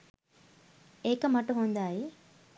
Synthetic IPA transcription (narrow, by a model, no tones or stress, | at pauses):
eːkɐmɐʈuɦund̪aːje